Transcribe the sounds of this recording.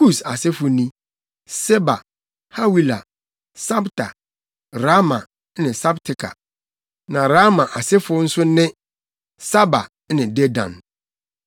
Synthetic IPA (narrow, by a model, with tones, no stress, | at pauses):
ku˦˨sa˨sɪ˦fʊ˨nĩ˦ | sɛ˦ba̰˨ | ha˦wi˦la˨ | sa˦btʰa˨ | ɾa˦mã˨ | nɪ̃˨sa˦btʰɪ˨kʰa̰˨ | nã˨ɾa˦mã˨ʔa˨sɛ˦fʊ˦n̩˦sʊ˦nɪ̃˦ | sa˦ba̰˨˦nɪ̃˨de˦dã̰˨n